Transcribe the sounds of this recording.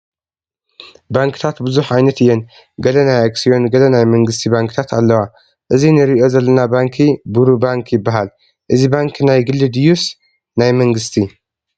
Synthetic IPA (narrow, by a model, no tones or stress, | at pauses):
baŋkʰɨ̥t̪ʰat̪bɨzuħajnɐt̪ɨjːɛn | ɡɐlɐnajaɡsijo̞nɡɐlɐnajmɐŋɡɨst̪ʰibaŋkʰɨt̪ʰat̪alːɐwa | ʔɨzinɨɾiʔo̞zɐlːɐnabaŋkʰibuɾubaŋkʰjɪbːaɦal | ʔɨzibaŋkʰnajɡɨlːɨd̪jus | najmɐŋɡɨst̪ʰi